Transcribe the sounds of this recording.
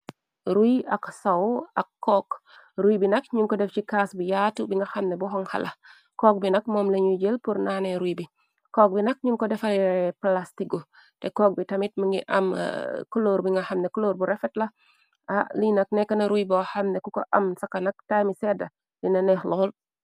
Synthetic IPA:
ɾujɐksawɐkːɔːk | ɾujbinɐkɲuŋkɔdɛft͡ʃikaːsbujatubiŋɡɐxɐmnɛbuɦɔŋhɐ̰lʔɐ | kɔːk̚binɐkmɔːmlɐɲuɟelpuɾnaːneɾujbi | kɔːk̚binɐk̚ɲuŋkɔdɛfɐlɛɛplastiɡu | tɛkɔːk̚bitɐmit̚miŋɡḭʔɐ̰m̰kuloːɾbiŋɡɐhɐmnɛkuloːɾbuɾɛfɛtlɐ | ʔalinɐk̚nɛkːɐnɐɾujbɔhɐmnɛkukoʔɐmsɐkɐnɐk̚tajmisɛdɐ | linɐnɛxlɔːl

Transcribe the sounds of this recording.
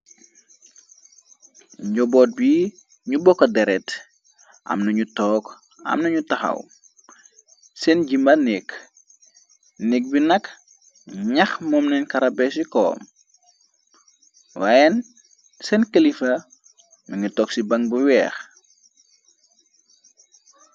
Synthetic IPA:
ɲɟɔbɔːt̚bi | ɲubɔkːɐdɛɾɛt | ʔɐ̰mnɐɲutɔːk | ɐ̰mnɐɲutɐxɐ̰w | sɛnɟimɐnɛk | nɛk̚binɐk | ɲɐxmɔmnɛnkɐɾɐbɛsikɔ̰ːm | wajɛn | sɛnkɐlifɐ | mɐɲutɔksibɐŋbuwɛːx

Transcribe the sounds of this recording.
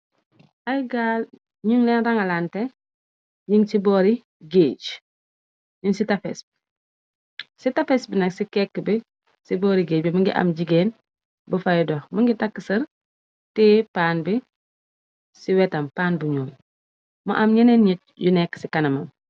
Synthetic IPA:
ʔajɡaːl | ɲuŋlɛnɾɐŋɐlantɛ | ɲiŋsibɔːɾi | ɡeːɟ | ɲunsitafɛ̰sbi̥ | sitɐfɛsbinɐksikɛkːbi | sibɔːɾiɡeːc̚bimuŋɡḭʔɐ̰mɟiɡɛːn | bufɐjdɔmuŋɡitɐkːəsɐɾ | tɛːpaːnbi | siwɛtɐmpaːnbuɲoːl | mɐ̰ʔɐmɲɐnɛnɲit̚junɛkːsikɐnɐmɐm

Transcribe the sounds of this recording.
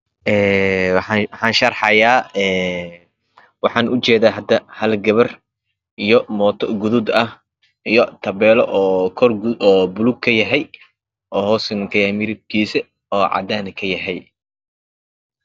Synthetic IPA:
ʔɛːwɑħɑwɑħɑːnʃɐrħɑjaːɛː | wɑħɑːnʔʊt͡ʃɛːðaːɦɐd̪ɐhɐlɡɐβɐr | ijɔmɔːt̪ʰɔɡʊðʊd̪ɐh | ijɔt̪ʰɐβɛːlɔʔɔːkʰɔrɡɔːbʊluɡ̚kʰɐjɐɦɛj | ʔɔːhɔːsɐŋkʰɐjamɪɾɪb̚kʰiːsɛ | ɔːʕɑ̰d̪aːnɪkʰɐjɐɦɛj

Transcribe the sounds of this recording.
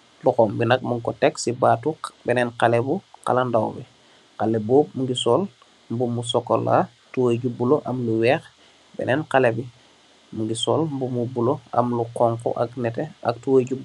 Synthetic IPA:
luxombinak̚muŋkɔteksibaːtubeneɛnkalebuqa̰landawbi | qaleboːp̚muŋɡisol | mbumus̬okola̰ | tuwaɟubuloʔamluweːx | bḛnenkalebi | muŋɡisolmbumubuloa̰mlukoŋkṵʔa̰knɛtea̰k̚tuwəɟub

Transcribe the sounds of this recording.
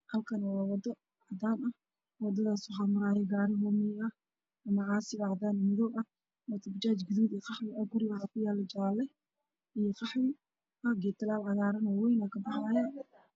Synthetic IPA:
hɐlkʰɐnwɑːwɑd̪ɐ | ʕɑd̪aːnɐh | wɑd̪ɐðaːswɑħɑmʊɾaːjɛɡaːɾɪɦɔːmɪjɐ | ɐmɐʕɑːsɪβɐʕɑd̪aːnmɪðɔːbɐh | mɐt̪ʰɐbt͡ʃaːt͡ʃɡɪðuːdiːqɑħwɪʔɐɡʊɾɪwɑħɑːkʰʊjaːlɛt͡ʃaːlɛ | ʔijɔqɑħwɪ | ʔɐɡɛt̪ʰɪlaːlʕɑɣaːɾɐnɔwɛjnɐkʰɐbɑħaːja

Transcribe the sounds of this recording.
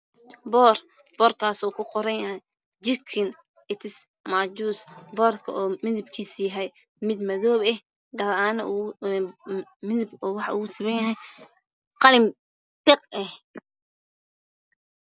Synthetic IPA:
bɔːr | b̥ɔːrt̪ʰaːsɔːkʰʊqɔɾɐnjɐɦɛj | d͡ʒɪkʰɪn | ɪt̪ʰɪs | maːd͡ʒuːsbɔːrkʰɐʔɔːmɪðɪbkʰiːsjɐɦɛj | mɪd̪mɐðɔːβɛh | ɡɐðaːnɐ | mɪðɪbɔːwɑħɑʔṵːʊsɪβɛnjɐɦɛj | qɑlɪm | t̪ɛqɛh

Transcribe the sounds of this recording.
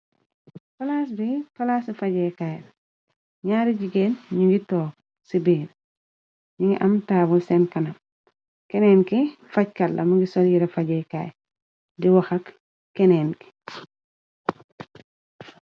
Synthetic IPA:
fɐlaːs̬bifɐlaːsifɐɟɛːkaj | ɲaːɾiɟiɡeːnɲuŋɡitɔːk | sibiːɾ | ɲiŋɡiʔɐmtaːbulsɛnkɐnɐm | kɛnɛːnkifɐc̚kɐlːʔɐmuŋɡisɔljiɾɛfɐɟɛka̰ːj | diwɐxɐk | kːɛnɛːnki̥

